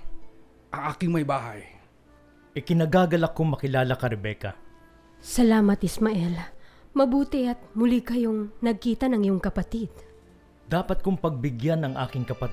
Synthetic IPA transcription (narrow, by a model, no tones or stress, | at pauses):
ʔɐŋʔaːkɪŋmɐjbaːɦa̰j | ʔɪkɪnɐɡaːɡɐlɐkoŋmɐkɪlaːlɐkɐɾɛbɛkɐ̰ | sɐlaːmɐt̪ɪsmɐʔɛlmɐbuːt̪ɪɐt̪̚mʊlikɐjo̞ŋnɐɡ̚kiːt̪ɐnɐŋɪjoŋkɐpɐt̪id̪̥ | d̪aːpɐt̪̚kʊŋpɐɡ̚bɪɡjanɐŋʔa̰ːkɪŋkɐpɐt̪